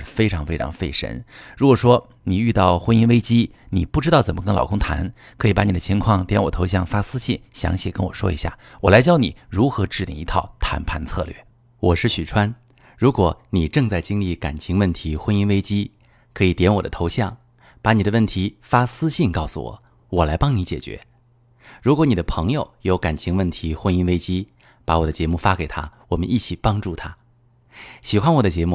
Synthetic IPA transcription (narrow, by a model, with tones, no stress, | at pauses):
ɻ̩˥˧fe˥ɪʈ͡ʂʰɑ˧˥ŋfe˥ɪʈ͡ʂʰɑ̰˧˥ŋfe˥˩ɪʂə̰˥nɻu˧˥kwɔ˨˩ʂwɔ˥ | ni˨˩y˥˧t̪ɑ˥˩ʊxwə˥ni˥nwe˥ɪt͡ɕi˥ni˨˩pu˥˩ʈ͡ʂɻ̩˥t̪ɑ˥˩ʊt͡sə˨˩nmə˦kə˥ŋlɑ˨˩ʊkʰʊ˥ŋt̪ʰa̰˧˥n | kʰɤ˧˥i˨˩pa˧˥ni˨˩d̪ə˦t͡ɕʰi˧˥ŋkʰwɑ˥˩ŋt̪jɛ˧˥nwɔ˨˩t̪ʰo˧˥ʊɕ̬jɑ˥˩ŋfa˥sɹ̩˥ɕi˥˩nɕjɑ̰˧˥ŋɕi˨˩kə˥nwɔ̰˨˩ʂwɔ̰˥ḭ˧˥ɕja̰˥˩wɔ˨˩la˧˥ɪt͡ɕjɑ˥ʊnḭ˨˩˦ɻu˧˥xɤ˧˥ʈ͡ʂɻ̩˥˧lḭ˨˩i˧˥t̪ʰɑ˥˩ʊt̪ʰa̰˧˥npʰa˧nt͡sʰɤ̰˥˧lɥɛ̰˥˩ | wɔ˨˩ʂɻ̩˥˩ɕy˨˩ʈ͡ʂʰwa˥n | ɻu˧˥kwɔ˧˩˦ni˨˩ʈ͡ʂɤ˥˧ŋt͡sa˥˩ɪt͡ɕi˥ŋli˥˩ka̰˨˩nt͡ɕʰi˧˥ŋwə˥˩nt̪ʰi˧˥xwə˥ni˥nwe˥ɪt͡ɕi˥ | kʰɤ˧˥i˨˩t̪jɛ˧˥nwɔ̰˨˩d̪ə̰˦t̪ʰo˧˥ʊɕjɑ˥˩ŋ | pa˧˥ni˨˩d̪ə˦wə˥˩nt̪ʰi˧˥fa˥sɹ̩˥ɕi˥˧nkɑ˥˩ʊsṵ˧˩wɔ̰˨˩˦ | wɔ˨˩la˧˥ɪpɑ˥ŋni˧˥t͡ɕjɛ˨˩t͡ɕɥɛ̰˧˥˦ | ɻu˧˥kwɔ˧˥ni˨˩d̪ə˦pʰɤ˧˥ŋjo˨˧ʊjo˧˥ʊka˨˩nt͡ɕʰi˧˥ŋwə˥˩nt̪ʰi˧˥xwə˥ni˥nwe˥ɪt͡ɕi˥ | pa˧˥wɔ˨˩d̪ə˦t͡ɕjɛ˧˥mu˥˩fa˥ke˨˩ɪt̪ʰa̰˥wɔ˨˩mə̰˦nʔi˥˩t͡ɕʰi˨˩pɑ˥ŋʈ͡ʂu˥˩t̪ʰa˥ | ɕi˨˩xwa˥nwɔ˨˩d̪ə˦t͡ɕjɛ˧˥mu˥˩